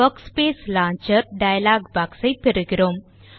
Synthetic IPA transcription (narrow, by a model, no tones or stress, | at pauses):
ɐkspeːslãːɲt͡ʃɐɾɖɐjɐlaːɡbaːksɐɪpɛɾɯɡɪɾoːm